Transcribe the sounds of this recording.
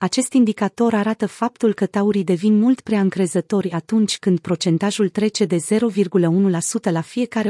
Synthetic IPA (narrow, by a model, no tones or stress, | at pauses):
at͡ʃe̞st̪ind̪ikat̪o̞ɾaɾat̪əfap̚t̪ulkət̪auɾid̪e̞vinmult̪pɾeaɨŋkɾe̞zət̪o̞rʲat̪unt͡ʃʲkɨnd̪̚pɾo̞t͡ʃe̞nt̪aʒult̪ɾe̞t͡ʃe̞d̪e̞ze̞ɾo̞virɡuləunulasut̪əlafije̞kaɾe